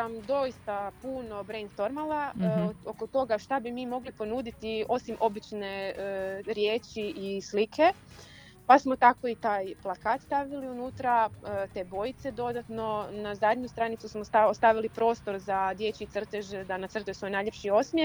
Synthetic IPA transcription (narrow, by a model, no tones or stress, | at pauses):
amd̪o̞jist̪apuːno̞bɾejnd̪t̪o̞ɾmalaokot̪o̞ɡaʃt̪abimiːmo̞ɡlipo̞nuːd̪it̪io̞simʔo̞bit͡ʃne̞ | ɾjeːt͡ʃiʔislikʰe̞ | pasmo̞t̪ako̞it̪aːjplˠakaːt̪st̪aʋiliunuːt̪ɾaət̪e̞ːbo̞jit̪se̞d̪o̞d̪at̪no̞nazad̪ɲust̪ɾanit̪susmoast̪aʋilipɾo̞ːst̪o̞ɾzad̪je̞t͡ʃiit̪sr̩t̪eʒed̪anat̪sɾr̩t̪eso̞jenajʎʲe̞pʃio̞smje